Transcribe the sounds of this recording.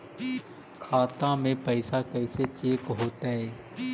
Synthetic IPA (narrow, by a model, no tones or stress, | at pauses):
kʰaːt̪ãːmẽpəɪsaːkɛɪset͡ʃeːkɦoːt̪aːɦeː